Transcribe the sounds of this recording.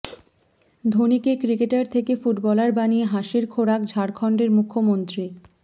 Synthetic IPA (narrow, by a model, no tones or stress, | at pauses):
d̪ʱonikekɾikeʈaɾt̪ʰekefuʈbɔlaɾbanieɦaʃiɾkʰoɽakd͡ʑʱaɾkʰɔɳɖeɾmukʰːomont̪ɾi